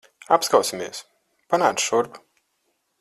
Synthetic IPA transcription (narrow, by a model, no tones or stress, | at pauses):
apskawsimʲiɛs | panaːt̪sʃuɾb